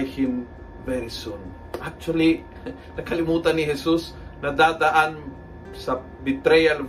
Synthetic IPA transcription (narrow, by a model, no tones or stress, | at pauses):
jhɪn | vɛɾsɔn | ʔak̚t͡ʃuɐli | nɐkɐlɪmuːt̪ɐnːɪɦɛsus | nɐd̪aːd̪ɐʔan | sɐ | bɪt̪ɾɛjal